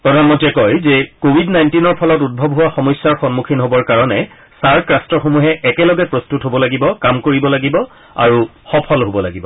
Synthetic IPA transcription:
pɹɔdʱanmɔntiɛkɔjzɛkobʱidnajntinɔɹpʰɔlɔtud̚bʱɔbɦuwaxɔmɔjsːaɹxɔnmukʰinɦobɔɹkaɹɔnɛ | saɹkɹastɔxomuɦɛʔɛkɛlɔɡɛpɹɔstutɦobɔlaɡibɔkamkoɹibɔlaɡibɔ | a̰ɹuxɔpʰɔlɦobɔla̰ɡibɔ

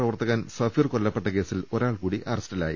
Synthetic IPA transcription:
rɐʋɐrt̪ɐɣaːnsɐfiːrko̞ɭːɐpːe̞ʈːɐke̞ːsilo̞ɾaːɭkuːɽiʔɐrɐstɐla̰ːjḭ

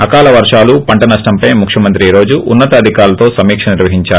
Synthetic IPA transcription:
ɐkaːlɐʋɐɾʂaːlupɐɳʈɐnɐʂʈɐmpɐjmukʂʰjɐmɐnt̪ɾiɾo̞ːd͡ʒuʔunːɐt̪ɐːd̪ʱikaːɾlɐt̪o̞ːsɐmiːkʂɐniɾʋɐɦiɲt͡ʃaːɾ

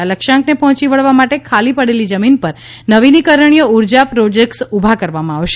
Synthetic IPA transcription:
aləkʃãŋknepɔɦɔ̃t͡ʃiʋəɭʋamaʈekʰalipəɽelid͡ʒəminpəɾ | nəʋinikəɾəɳ̃ijəuɾd͡ʒapɾod͡ʒek̚ʈsubʱakəɾʋamãaʋʃ

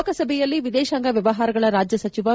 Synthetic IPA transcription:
kɐsɐbʱɛjɐlːiʋid̪ɛːʃaːŋɡɐʋjɐʋɐɦaːɾɐɡɐɭɐɾaːd͡ʒjɐsɐt͡ʃiʋɐ

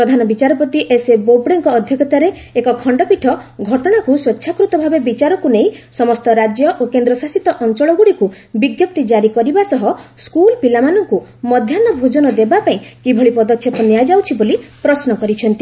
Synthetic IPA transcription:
pɾɔd̪ʱanɔbit͡ʃaɾɔpɔt̪iʔesebobɽeŋkɔːd̪ʱjɔkɔt̪aɾe | ekɔkʰɔɳɖɔpiʈʰɔɡʱɔʈɔɽ̃akuswetːʃʰakɾut̪ɔbʱabebit͡ʃaɾɔkuneĩsɔmɔst̪ɔɾad͡ʒjɔʔokend̪ɾɔsasit̪ɔʔɔnt͡ʃɔɭɔɡuɽiku | biɡjɔp̚t̪id͡ʒaɾikɔɾibasɔɦɔskulpilamanɔŋkumɔd̪ʱjanɔbʱod͡ʒɔnɔd̪ebapaĩkibʱɔɭipɔd̪ɔkʰːjɔpɔnijajd͡ʒawt͡ʃʰibolipɾɔsnɔkɔɾit͡ʃʰɔnt̪i

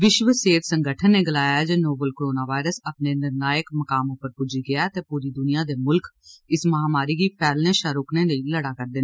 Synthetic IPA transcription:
ʋɪʃʋəseːt̪sə̃ŋɡəʈʰənːeːɡəlaːjːaːd͡ʒeːnoːbəlkoɾoːnaːʋaːɪɾəsəpneːnɪɾnaːjəkməkaːmõːpəɾpʊd͡ʒiːɡɪjaːt̪eːpuːɾiːd̪ʊnijaːd̪eːmʊlkɪsməɦaːmaːɾiːkiːpʰɛːlnẽːʃaːɾʊkneːləiːləɽaːkəɾd̪ɪːnː

